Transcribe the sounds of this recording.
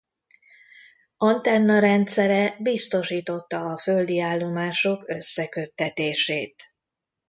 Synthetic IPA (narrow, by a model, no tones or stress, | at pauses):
ɒnt̪ɛnːɒɾɛnt̪sɛɾɛbist̪o̞ʃiːt̪o̞t̪ːɒːfø̞ld̪iaːlːo̞maːʃo̞kø̞sːɛkøt̪ːɛt̪eːʃeːt̪